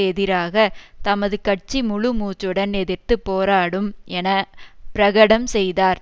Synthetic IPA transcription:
ɛðɪɾaːɣɐt̪ɐmɐðɯkɐʈ̚t͡ʃimʊɻʊmuːt͡ʃːɯɽɐnɛðɪɾt̪ɯpːoːɾaːɽɯmɛnɐpɪɾɐɣɐɽɐmsɛjðaːɾ

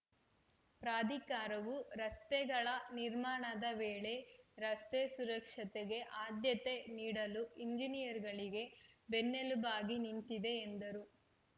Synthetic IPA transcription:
pɾaːd̪ʱikaːɾɐʋuɾɐst̪ɛɡɐɭɐniɾmaːɳɐd̪ɐʋeːɭe̞ɾɐst̪esuɾɐkʂɐt̪eɡe̞ʔaːd̪jɐt̪eniːɽɐluiɲd͡ʒinijɐɾɡɐɭiɡe̞benːelubaːɡinint̪id̪e̞ːnd̪ɐɾu

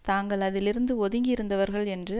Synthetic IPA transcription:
t̪aːŋɡɐɭɐðɪlɪɾɯnd̪ɯɔðɯŋɡɪɪɾɯnd̪ɐʋɐɾɣɐɭɛndrɯ

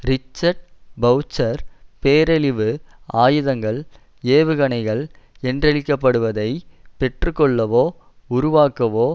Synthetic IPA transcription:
ɾɪt͡ʃːɐɾɖ̚bɐʊt͡ʃːɐɾpeːɾɐɭɪʋɯaːjɯðɐŋɡɐɭ | eːʋɯɣɐɳɐɪɣɐɭɛndrɐɭɪkːɐpːɐɽɯʋɐðɐɪpɛʈrɯkːɔɭːɐʋoː | ʊɾʊʋaːkɐʋoː

